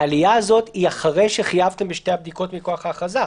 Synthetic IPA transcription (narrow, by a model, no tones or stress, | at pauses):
alijazo̞t̪iaχaʁe̞jʃe̞χijavt̪e̞mbeʃte̞hab̚d̪iko̞t̪miko̞aχaχaza